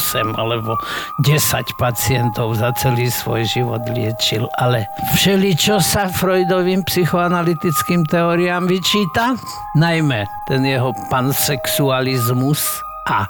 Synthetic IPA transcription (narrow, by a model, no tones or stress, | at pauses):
sɛma̰lɛbɔɟɛsa̰cpat͡siɛnt̪ɔʊzat͡sɛliːsʋɔ̰jʒiʋɔ̰d̪lɪɛt͡ʃilalɛfʃɛlit͡ʃɔsafɾɔjd̪ɔʋiːmpsixɔanalit̪it͡skiːmt̪ɛɔɾiamʋit͡ʃiːt̪a | najmɛt̪ɛnjɛɦɔpansɛksualizmus | ʔa